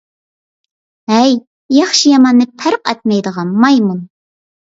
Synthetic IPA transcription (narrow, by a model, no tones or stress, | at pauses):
ɦɛj | jɑχʃijɑmɑnːɨpʰæɾqɛ̰t̪̚mɛjd̪əʁɑnmɑjmun